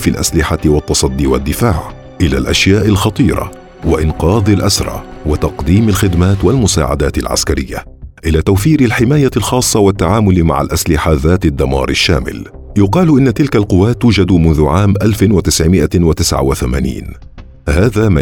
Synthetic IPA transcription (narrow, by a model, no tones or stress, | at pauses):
filʔa̰slɪħawɑt̪ːɑsˤɑd̪ːiːwad̪ːɪfaːʕ | ʔɪla̰ːlʔaʃjaːʔɪlxɑt̪ˤiːɾˤɑ̰ | waʔɪnqɑːðˤɪlʔasɾˤɑ̰ːwat̪ɑqd̪iːmalxɪd̪maːt̪walmʊsaːʕa̰d̪aːt̪ɪ̰lʕa̰skaɾɪjːa̰ | ʔɪlaːt̪awfiːɾɪlħɪmaːjalxɑːsˤːɑwat̪ːaʕaːmʊlma̰ʕa̰lʔaslɪħaðaːt̪ɪd̪ːamɑ̰ːɾˤɪʃːa̰ːmɪ̰l | jʊqɑːlʔɪnːat̪ɪlkalqʊwːaːt̪ːuːd͡ʒad̪mʊnðʊʕaːmʔalfɪwat̪ɪsʕɪmɪʔawat̪ɪsʕa̰waθama̰ːnḭːn | haːðaːma